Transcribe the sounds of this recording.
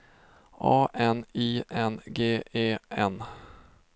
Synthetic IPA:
ɑːʔɛniːʔɛnɡeːeːʔɛn

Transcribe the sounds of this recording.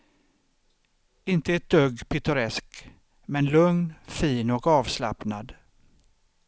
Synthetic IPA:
ɪnt̪əɛʈ̚d̪øɡpʰɪt̪ɵɾɛsk | mɛnlɵŋnfiːnɔkɑːvsla̰pnad̪

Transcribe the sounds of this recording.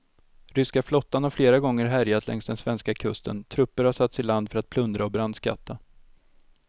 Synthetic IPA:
ɾʏskaflɔt̪ːanhaɾfleːɾaɡɔŋːəɾɦæɾjat̪ʰlʔɛ̰ŋstd̪ɛnsvɛnskakʰɵst̪ə̰nt̪ʰɾɵpːəɾhaʂat̪sɪland̪fœɾat̪̚pʰlɵnd̪ɾaɔbɾand̪ska̰t̪ʰːa

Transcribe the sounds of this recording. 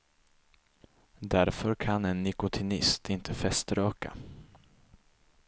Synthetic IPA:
d̪æɾfœɾkʰanɛnːɪkʊt̪ʰɪnɪst̪ʰɪnt̪ʰəfɛst̪ɾøːka̰

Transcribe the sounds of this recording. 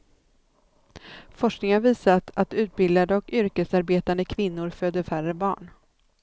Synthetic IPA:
fɔʂknɪŋəanviːsat̪ʰat̪ʉ̟ːt̪̚bɪld̪ad̪əɔkʏɾkəsaɾbeːt̪and̪əkʰvɪnːʊɾføːd̪əfærəbɑ̰ːɳ

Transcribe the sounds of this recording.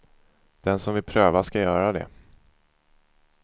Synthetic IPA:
d̪̥ɛnsɔmvɪlpʰɾøːvaʂkajœːɾad̪ɛ̰

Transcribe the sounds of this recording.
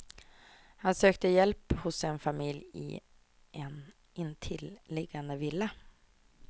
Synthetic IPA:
hansøːk̚t̪əjɛlphʊsɛnfamɪljɪ̰ | ʔɛn | ʔɪnt̪ʰɪllɪɡːand̪əvɪlːa

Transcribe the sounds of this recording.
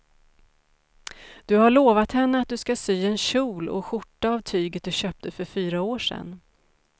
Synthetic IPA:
d̪̥ɵhaɭoːvat̪hɛnːəat̪̚d̪ɵskasyːɛnɕuːlɔ̰ɧʊʈːaːvt̪ʰyːɡət̪̚d̪ɵɕœːp̚t̪ʰəfœɾfyːɾaoːʂɛ̰nː

